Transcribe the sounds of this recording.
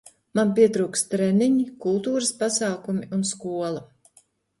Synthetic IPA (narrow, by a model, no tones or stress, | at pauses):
manp̬iɛt̪ɾuːkst̪ɾɛniɲikulˠt̪uːɾəspasaːkumiunskuɔlˠa